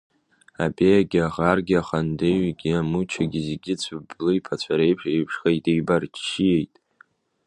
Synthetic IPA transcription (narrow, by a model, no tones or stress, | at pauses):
a̰bejaɡʲaʁarɡʲɪaχandeɥɡʲiamut͡ʃʰaɡʲizɡʲɪt͡sʷʰʊblɨjpʰat͡ɕʷʰaɾejpʰʂejpʰʂχejtʼejbart͡ʃʃije̞jtʼ